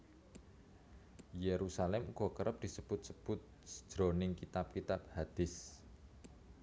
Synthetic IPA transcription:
jeɾusalɛmuɡɔ̤kəɾəp̚d̪̥isəb̥ʊt̪̚səb̥ʊt̪̚ | sə̥d̥ʒ̥ɾo̤nɪŋkit̪ap̚kit̪ab̚had̪̥ɪs

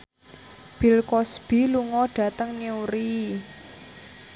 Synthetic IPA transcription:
b̥i̤lkɔsb̥i̤luŋɔɖ̥a̤t̪əŋniuɾi

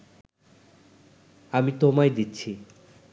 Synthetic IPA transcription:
amit̪omajd̪itːɕʰi

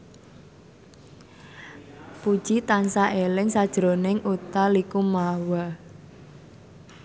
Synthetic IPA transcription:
pud̥ʒ̥it̪ansaʔelɪŋsad̥ʒ̥ɾo̤nɪŋut̪alikumawa

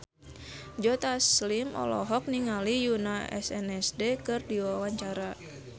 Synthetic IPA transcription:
d͡ʒɔt̪aslimɔ̰lɔ̰ɦɔk̚niŋalijunaɛ̰sɛnɛsdɛkɨrdiwawaɲt͡ʃaɾa

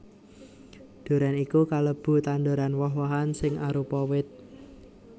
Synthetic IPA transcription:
d̪̥o̤ɾanikukaləb̥ṳt̪and̪oɾanwɔɦwɔɦansɪŋaɾupɔwɪt̪̚

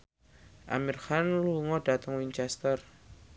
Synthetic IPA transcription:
ʔa̰mirxanluŋɔɖ̥a̤t̪əŋwiɲt͡ʃɛst̪ər

